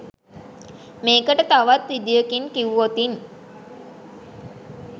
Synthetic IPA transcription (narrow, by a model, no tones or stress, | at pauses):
meːkəʈət̪aʋat̪ːid̪ijəkiŋkiʋʋot̪in